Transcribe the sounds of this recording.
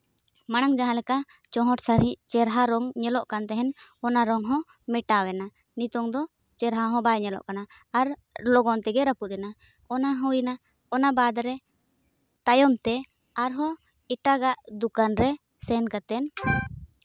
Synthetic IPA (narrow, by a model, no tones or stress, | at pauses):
maɽ̃aŋd͡ʒaɦãlɛka | t͡ʃɔɦɔʈsaɾiʔt͡ʃɛɾɦaɾɔŋɲɛlɔʔkant̪ɛɦɛnɔnaɾɔŋɦɔ̃ | mɛʈawɛna | nit̪ɔŋd̪ɔ | t͡ʃɛɾɦaɦɔ̃bajɲɛlɔ̰ʔkanaːɾlɔɡɔnt̪ɛɡɛɾapuʔ̚ɛna | ɔnaɦɔjina | ɔnabad̪ɾɛ | t̪ajɔmt̪ɛ | aɾɦɔ | ɛʈaɡaʔd̪ukanɾɛ | sɛnkat̪ɛn